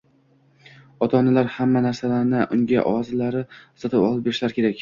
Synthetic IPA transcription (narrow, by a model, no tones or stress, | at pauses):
ɒt̪ʰɒnɪlaɾhamːanaɾsalaɾnɪʔʊŋɡʲa̰ʔɒɒzɪlaɾɪʊsat̪ʰɪpɒ̰lˠɪpbeɾɪʃlaɾkʲʰe̞ɾakʲ